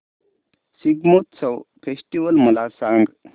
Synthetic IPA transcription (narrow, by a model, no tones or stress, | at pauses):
siɡmot̪t͡səwpʰesʈiʋəlməlasaŋɡ